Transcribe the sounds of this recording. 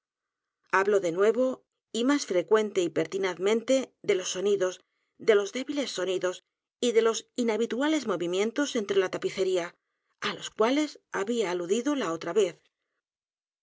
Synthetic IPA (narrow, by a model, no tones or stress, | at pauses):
aβlo̞ðe̞nwe̞βo̞ | imasfɾe̞kwe̞nt̪e̞ipe̞ɾt̪inaðmẽnt̪e̞ðe̞lo̞sːo̞niðo̞s | ðe̞lo̞zðe̞βile̞sːo̞niðo̞s | iðe̞lo̞sinaβit̪uale̞zmo̞βimjẽ̞nt̪o̞se̞nt̪ɾe̞lat̪apiθe̞ɾia | alo̞skwale̞saβiaːluðiðo̞lao̞t̪ɾaβe̞θ